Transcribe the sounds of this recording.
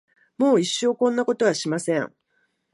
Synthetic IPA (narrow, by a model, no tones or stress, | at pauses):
mo̞ːiɕːo̞ːkõ̞nːako̞t̪o̞βaɕimasẽŋ